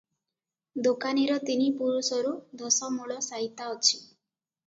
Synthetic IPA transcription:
d̪okaniɾɔt̪inipuɾusɔɾud̪ɔsɔmuɭɔsaɦit̪aɔt͡ʃʰi̥

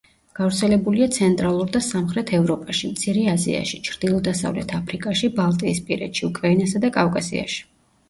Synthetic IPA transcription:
ɡ̥avɾt̪sʰɛlɛbuliat̪sʰɛnt̪ʼɾalˠuɾd̪asamχɾɛt̪ʰɛvɾɔpʼaʃimt̪sʰiɾɛazḭa̰ʃit͡ʃʰɾd̪̥ilˠɔd̪asa̰vlɛ̰t̪ʰapʰɾikʼaʃibalˠt̪ʼiːspʼiɾɛ̰t̪ʃiukʼɾainasad̪akʼavkʼasḭa̰ʃi̥

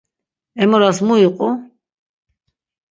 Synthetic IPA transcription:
ɛmɔɾasmuiqʼu

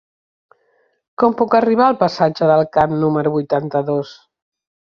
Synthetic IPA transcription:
kɔmpukəriβ̞aəlˠpəsad͡ʒəðəlˠkamnuməɾuβujt̪ant̪əðos

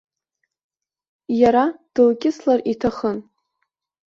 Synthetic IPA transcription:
jaɾad̥ɨlkʲʼɪslaritʰaχən

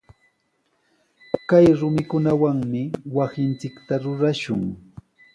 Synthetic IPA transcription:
kajɾʊmɪkʊnawaŋmɪwasɪnt͡sɪkt̪aɾʊɾaʃʊŋ

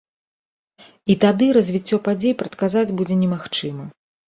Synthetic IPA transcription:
it̪ad̪ɨɾɐzʲvʲit͡sʲːɔpad͡zʲejpɾɐt̪kazad͡zʲbud͡zʲɛnʲɛmaxt͡ʂɨmɐ

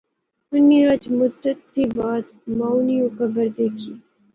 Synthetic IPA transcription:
ʊniɾɐd͡ʒmʊd̪ət̪ːibaːd̪maːwniokəbəɾd̪eːkʰiː

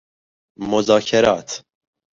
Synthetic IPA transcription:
mozɑːkʰɛɾɑːt̪ʰ

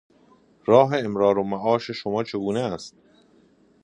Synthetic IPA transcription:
ɾɒːɦe̞ːmɾɒːɾomæʔɒːʃe̞ʃomɒːt͡ʃʰe̞ɡuːneæst̪̚

